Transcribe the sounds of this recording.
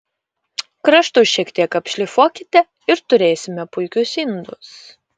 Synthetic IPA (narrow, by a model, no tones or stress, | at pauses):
kɾɐʃt̪ʊʃʲiɛkt̪ʲiɛkɐpʲʃʲlʲɪfoɔkʲɪt̪ʲɛ | ɪɾt̪ʊɾʲeːsʲɪmʲɛpʊɪkʲʊsɪnd̪ʊs